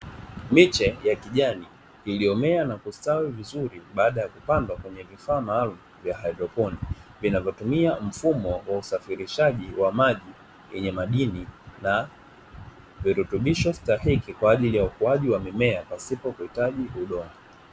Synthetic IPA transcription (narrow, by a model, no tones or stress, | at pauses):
mit͡ʃɛjakiʄani | iliɔmɛanakustawivizuɾiɓaːɗajakupandwakwɛɲɛvifaːmaːlum̩vjahajdɾɔpɔnivinavjɔtumiam̩fumɔwausafiɾiʃaʄiwamaʄi | jɛɲɛmaɗinina | viɾutuɓiʃɔstahikikwaːʄilijaukuaʄiwamɛmɛapasipɔkuhitaʄiʔuɗɔa